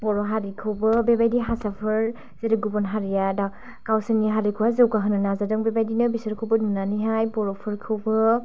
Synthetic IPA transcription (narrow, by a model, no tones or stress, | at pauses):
ɔɾɔɦaɾikʰɯwbɯbebajdiɦasapʰɯɾ | z̥eɾɯɡubɔnɦaɾijada | kawsɯniɦaɾikʰɯwhazɯwkaɦɯnɯnazadɯŋbebajdinɯbisɯɾkʰɯwbɯnunaniɦajbɔɾɔpʰɯɾkʰɯwbɯ